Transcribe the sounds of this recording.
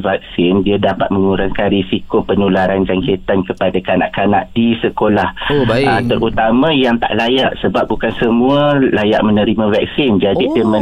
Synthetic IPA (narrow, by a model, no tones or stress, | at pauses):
vak̚sɪndiadapat̪̚mə̃ŋuɾaŋkanɾisikopənulaɾand͡ʒaŋket̪ankəpadakana̰ʔkana̰ʔdisəkolahat̪əɾʔut̪amãjaŋt̪a̰ʔlajaʔsəbap̚bukansəmũəlaja̰ʔ̚mə̃nə̃ɾimãvak̚sɪnd͡ʒadidimə̃